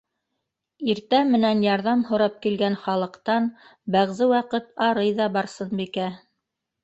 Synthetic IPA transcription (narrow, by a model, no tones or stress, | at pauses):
iɾt̪æmːɘ̆nænjɑɾðɑmhŏɾɑp̚kilɡænχɑlˠɤ̆qt̪ɑnbæʁzɘwɑqɤt̪ɑɾɤjðɑbɑɾsɤnbikæ